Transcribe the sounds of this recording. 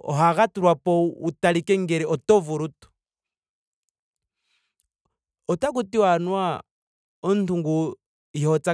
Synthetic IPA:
ɔ̰ɦaɣatuɾwapɔutalikɛŋɡɛɾɛɔtɔvuɾutu̥ | ɔtak̬utiwanwa | ɔntuŋɡu | iɔt͡sa

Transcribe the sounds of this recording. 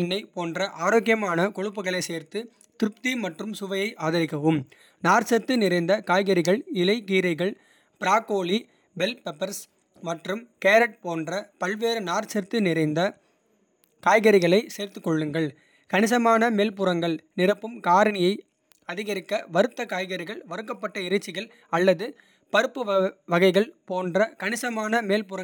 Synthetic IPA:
ɪnːɐɪpoːndrɐʔaːɾoːɣɪjɐmaːnɐkɔɻɯp̬ːɯɣɐɭɐɪseːɾt̪ɯ | t̪ɪɾɯp̚t̪imɐʈrɯmsʊʋɐjɐɪʔaːðɐɾɪkːɐʋɯm | naːɾsɐɾt̪ɯnɪɾɐɪnd̪ɐkaːjɣɐɾɪɣɐɭɪlɐɪkiːɾɐɪɣɐɭ | pɪɾaːkːoːɭi | bɛlpɛpːɐɾs | mɐʈrɯmkeːɾɐʈ̚poːndrɐpɐɭʋeːɾɯnaːɾsɐɾt̪ɯnɪɾɐɪnd̪ɐ | kaːjɣɐɾɪɣɐɭɐɪseːɾt̪ɯkːɔɭːɯŋɡɐɭ | kɐnɪs̬ɐmaːnɐmeːlpʊɾɐŋɡɐɭnɪrɐpːɯmkaːɾɐnɪjɐɪ | ɐðɪɣɐɾɪkːɐʋɐɾɯt̪ːɐkaːjɣɐɾɪɣɐɭʋɐɾɯkːɐpːɐʈːɐɪɾɐt͡ʃːɪɣɐɭ | ɐlːɐðɯ | pɐɾɯpːɯʋʋɐɣɐɪɣɐɭpoːndrɐkɐɳɪsɐmaːnɐmeːlpʊɾɐ

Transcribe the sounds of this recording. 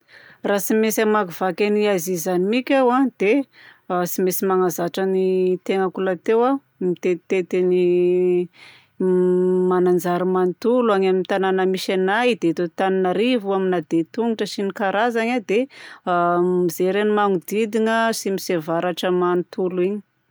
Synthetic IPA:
rasimesamakuv̥akʲaniazizanimikʲawad̪̥e | asimesimaŋazaʈ͡ʂənit̪eŋəkulat̪ewa | mit̪et̪et̪eni | manand͡zaɾumanit̪uluaɲamint̪ananəmiʃanajd̪et̪et̪aninaɾivuaminad̪et̪uŋiʈ͡ʂəsinikaɾazaɲad̪e | mizeɾenimaŋud̪id̪iŋəsimisevaɾaʈ͡ʂəmanit̪uliɲi̥

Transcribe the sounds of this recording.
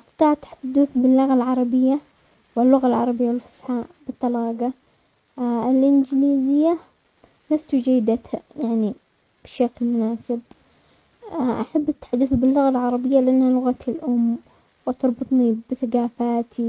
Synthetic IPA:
ʔɪst̪ɑ̥t̪ˤɑːʕat̪ħḁd̪ːuːθbɪlːʊɣalʕɑɾˤɑbɪjːa | wɪlːʊɣalʕɑ̰ɾˤɑbɪjːawɪlfʊ̥sħaːʔbɨt̪ˤːɑlɑːɡɑ | ɪlʔɪnd͡ʒɪliːzɪjːa | last̪ud͡ʒajːɪd̪at̪hajaʕni | b̥ɪʃaklmʊnaːsɪb̚ | ʔaħabːɪt̪ːḁħad̪ːʊθbɪlːʊɣalʕɑɾˤɑbɪjːalɪʔanːhalʊɣat̪ɪlʔʊmː | wt̪ɑɾˤbɨt̪ˤnibɪθaɡaːfaːt̪ʰi

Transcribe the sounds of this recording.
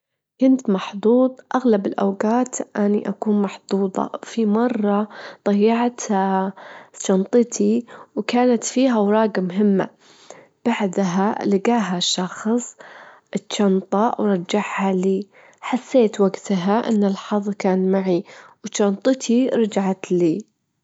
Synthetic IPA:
kʊnt̪mɑħd̪ˤuːðˤʔaɣlabɪlʔa̰wɡaːt̪ʔaniʔakuːnmɑħd̪̥ˤuːd̪ˤɑ̰fimɑrˤːɑd̪ˤɑjːɑʕt̪ | t͡ʃːɑnt̪ˤɨt̪ʰiwkaːnat̪fiːɦawɾˤɑːɡamɦɪmːa̰ | b̥aʕd̪ɦalɪɡaːɦaʃːɑxsˤ | ʔɪtt͡ʃːɑnt̪ˤɑwɾˤɑd͡ʒːaħhaliː | ħasːeːt̪waɡt̪aɦaʔɪ̰nːɪlħɑðˤkaːnmaʕiwt͡ʃːɑnt̪ˤɨt̪ʰiɾˤɑd͡ʒaʕat̪liː

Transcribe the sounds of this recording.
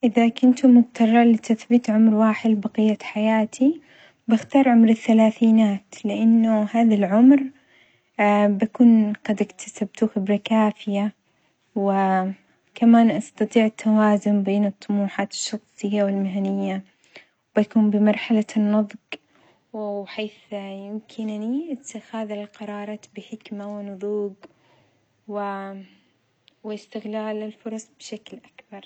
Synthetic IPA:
ʔɪðakʊnt̪ʊmʊɡt̪ɑrˤːɑlɪt̪aθbɪt̪ʕʊmɾwaːħɪd̪baqijːaħajaːt̪ʰi | bɪxt̪ɑːɾˤʕʊmɾɪθːalaːθiːnaːt̪lɪʔanːʊhaːðalʕʊmɾ | bakuːnɡ̥ɑd̪ɪkt̪ʰḁsabt̪uxɪbɾɑkaːfɪja | wɪ | kamaːnʔɑst̪ɑt̪ˤiːʕɪt̪ʰːawaːzʊmbeːnɨt̪ˤːʊmuːħaːt̪ɪ̥ʃːɑxsˤɨjːawɪlmɪɦanɪjːa | wbakuːmbɪmɑɾˤħalanːɑðˤq | ħeːθjɪmkʰɪnniʔɪt̪ːɪxaːðɪlqɑɾˤɑːɾˤɑːt̪bɪħɪkmawɪnʊðˤuːɡ | wɪ | wɪɪst̪ɪɣlaːlɪlfʊɾˤɑsˤbʃaklʔakb̥ɑɾˤ

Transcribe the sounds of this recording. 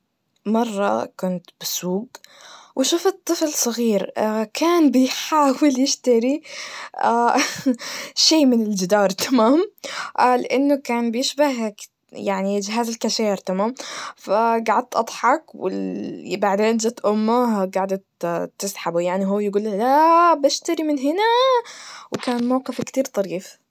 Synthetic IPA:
mɑrˤːɑ̰kʊnt̪bɪsuːɡ̚wɪʃuːfɨt̪ˤːɨflsˤɨɣiːɾakʰaːnbɪjħaːwɪljɪʃt̪aɾi | a | ʃeːmɪnɪld͡ʒɪd̪ɑːɾˤt̪ʰamaːmʔlɪʔanːʊkaːnbɪjɪʃbaɦ | jaʕniɪd͡ʒɦaːzalkaʃaːɪɾt̪amaːmfaɡaʕad̪̚t̪ʔɑd̪ˤħɑkwɪ̰baʕd̪eːnd͡ʒat̪ʔʊmːaɡaʕd̪at̪t̪ːɪsħabujaʕniɦuːjɪɡuːlːalaʔbaʃt̪aɾimɪnɦɪna | wkaːnmawqɪfkt̪iːɾt̪ˤɑɾiːf

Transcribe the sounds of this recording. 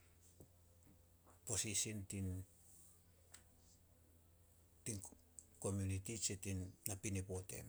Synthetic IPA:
posisintin | tin | ko̞mjunitit͡ʃetinnapinipote̞̰n

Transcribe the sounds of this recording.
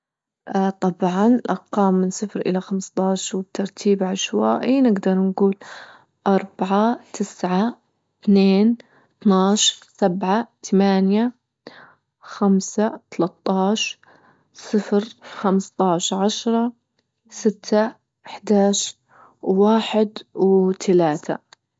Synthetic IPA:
t̪ˤɑbʕɑnlʔɑɾqɑːmːɪnsˤɨfɾʔɪ̰laxamst̪ˤɑːʃwb̚t̪ʰɑɾˤt̪ʰiːbʕaʃwaʔiːnɪɡd̪ɑɾˤnɡuːl | ʔɑɾˤbaʕat̪ʰɪsʕa | t̪neːn | t̪naːʃɾsabʕat̪ʰamaːnja | xamsat̪alat̪ˤːɑːʃ | sˤɨfɾxamst̪ˤɑːʃʕaʃɾˤɑ | sɪt̪ʰːa | ʔɪħd̪aːʃ | waːħɪd̪wt̪ʰalaːt̪ʰa̰

